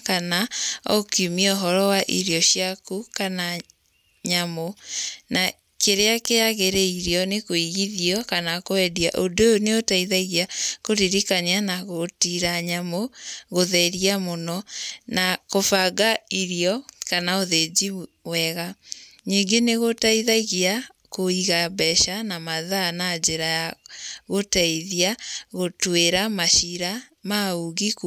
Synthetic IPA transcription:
kanaɔ̰kiumiɛoɦɔɾɔwaʔiɾjɔɕjakukana | ɲamona | keɾeakeaɣeɾeiɾjɔnekoiɣiðiɔkanakoɛdiaʔodoneotaiðaiɣjakoɾiɾikaɲianaɣotiɾaɲamoɣoðɛɾiamonɔnakofaɡaiɾiɔkanaoðed͡ʑi | wɛɣaɲiːŋɡeneɣotaiðaiɣia | koiɣabɛʃanamaðanad͡ʒeɾajaɣotaiðiaɣotweɾamaʃiɾa | mauɣik

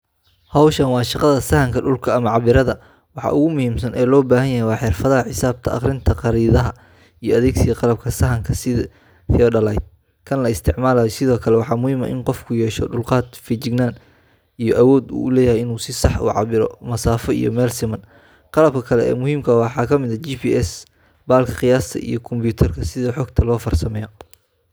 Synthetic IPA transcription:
hɑwʃɐnwɑːʃɑqɑðɐsɐhɐŋkʰɐɖʊlkʰɐɐmɐʕɑβɪɾɐðɐ | wɑħɑ̰ːʔʊɣʊmʊhiːmsɐnʔɛːlɔːbaːɦɐnjɐɦɛjwɑːħɪrfɐðɐɦɐħɪsaːb̚t̪ʰɐʔɑ̰χrɪnt̪ʰɐqɑɾiːðɐɦɐ | ijɔɐðɛːɡsɪjɐqɑlɐb̚kʰɐsɐɦɐŋkʰɐsɪð | θɪɔɖɐlɐjd̪̚ | kʰɐnlɐɪst̪ʰɪʕmaːlaːjɔsɪðɔːkʰɐlɛwɑħɑːmʊhiːmɐ̰ʔɪ̰nqɔfkʰʊjɛːʃɔɖʊlqɑːd̪fit͡ʃɪɡnaːn | ijɔʔɐwɔːd̪ṵːʊlɛːjɐhɛjɪnuːsɪsɑħʔʊ̰ʕɑ̰βɪɾɔ̰mɐsaːfɔḭjɔ̰mɛːlsɪmɐn | qɑlɐb̚kʰɐkʰɐlɛɛ̰ːmʊɦiːmkʰɐwɑħɑːkʰɐmɪðɐt͡ʃiːpʰiːɛs | baːlkʰɐqɪjaːst̪ʰɐ̰ʔḭjɞkʰɔmpjuːt̪ʰɐrkʰɐsɪðɐħɔːɡt̪ʰɐlɔːfɐrsɐmɛjɔ

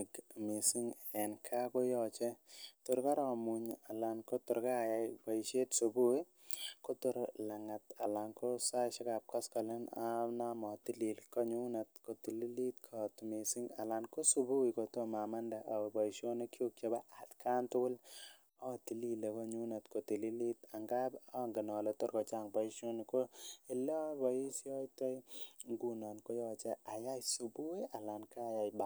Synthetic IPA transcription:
kmisiŋɛnkʰakojɔt͡ʃɛtʊɾkaɾɔmuɲalankotʊɾkajabaiʃetsubuwi | kotʊɾlaŋatalankosaʃekap̚kɔskɔlenanamɔtililkɔɲunatkotililit̚kʰɔtmisiŋalankosubuːjkot̪omamɐndaʔɐbɔjʃoːnikʰokebaʔad̪kʰaːnt̪ul | ɔt̪iliːlekɔɲuːnɐt̪kot̪ililit̪aŋɡaːbɔŋɡɐnɔːlɔt̪oɾkɔt͡ʃaːŋbɔiʃonikoelɔbisiɔjt̪ɔjɡunɔnkojɔːt͡ʃaajajsubujalankajajba

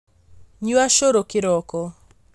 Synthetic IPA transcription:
ɲuaʃoɾokɪɾɔkɔ

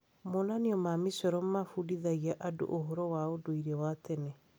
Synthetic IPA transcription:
monaniɔmamisɔɾɔmmafudiðaɣiaʔado̰ʔoɦɔɾɔwaodoiɾɛwatɛne

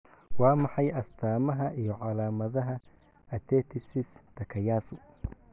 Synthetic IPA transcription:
wɑːmɑħɑjʔɐst̪ʰaːmɐɦɐʔijɔʕɑlaːmɐðɐɦɐ | ɐt̪ʰɛːt̪ʰɪsɪst̪ʰɐkʰɐjaːsʊ

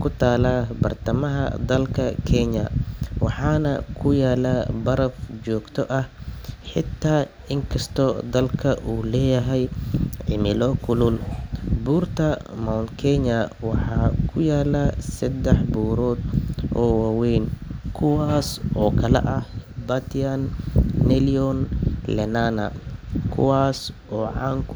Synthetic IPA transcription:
kʰʊt̪ʰaːlaːbɐ̰rt̪ʰɐmɐɦɐ̰d̪ɐlkʰɐkʰɛɲɐ̰wɑħɑːnɐ̰kʰʊjaːlaːbɐɾɐfd͡ʒɔːɡt̪ʰɔʔɐhħɪt̪ʰːaː | ɪŋkʰɐst̪ʰɔd̪ɐlkʰɐʔuːlɛːjɐɦɛjʕɪmɪlɔkʰʊlʊlbuːrt̪ʰɐmɔwnkʰɛɲɐwɑħɑːkʰʊjaːlɐsɐd̪ɛħbuːɾɔːd̪ʔɔːwaːwɛjnkʰʊwaːsʔɔːkʰɐlɛ̰ʔɐhbɐt̪ʰanːɛliɔnlɛnanɐ̰kʰʊ̰waːs | ɔːʕɑːŋkʰ

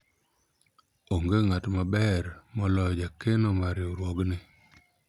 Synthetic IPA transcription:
oŋɡeŋatmabɛrmɔlɔd͡ʒakenomaɾjoɾwɔɡnɪ

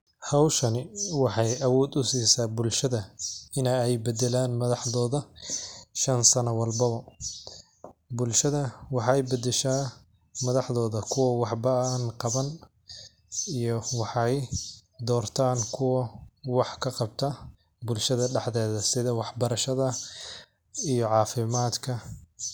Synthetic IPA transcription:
hɐwʃɐnɪwɑħɑjʔɐwɔːd̪ʊsiːsaːbʊlʃɐðɐɪnɛɛjbɛd̪ɛlaːnmɐðɑħðɔːðɐ | ʃɐnsɐnɐwɑlbɐβɐ | bʊlʃɐðɐwɑħɑjbɛd̪ɛʃaː | mɐðɑħðɔːðɐkʰʊwɐwɑħbɐnqɑβɐn | ijɔwɑħɑjd̪ɔːrt̪ʰaːŋkʰʊwɐwɑħkʰɐqɑbt̪ʰɐ | bʊlʃɐðɐɖɑħðɛːðɐsɪðɐwɑħbɐɾɐʃɐðɐ | ijɞʕɑːfɪmaːd̪kʰɐ

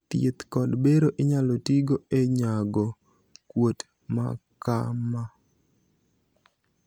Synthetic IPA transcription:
t̪jet̪kɔdbeɾoʔɪɲalotiɡoeɲaɡɔ | kwot | ma̰ka̰ma

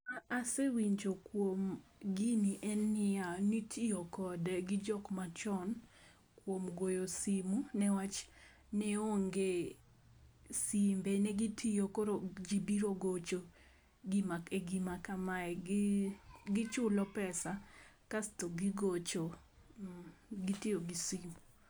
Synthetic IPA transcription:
aasewiɲd͡ʒokwomɡiniʔɛnːɪanitʰijokɔdɡɪd͡ʒɔkmat͡ʃɔn | kwomɡojosimunɛwat͡ʃ | nɛoŋɡe | simbenɛɡitʰijokoɾod͡ʒibiɾoɡot͡ʃo | ɡimakeɡimakamaɛ | ɡɪt͡ʃʊlɔpɛsakastoɡiɡot͡ʃo | ɡitɪjoɡisimu

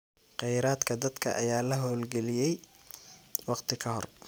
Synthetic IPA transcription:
qɛjɾaːd̪kʰɐd̪ɐd̪kʰɐ̰ʔɐ̰jaːlɐɦɔːlɡɛlɪjɛj | wɑqt̪ʰɪkʰɐɦɔr

